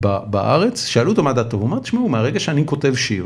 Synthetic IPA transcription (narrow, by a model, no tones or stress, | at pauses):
babaʔa̰ʁet͡sʃaalut̪omad̪at̪oɦumaʁt̪i̥ʃmaumeaʁeɡaʃeaniko̞t̪evʃiʁ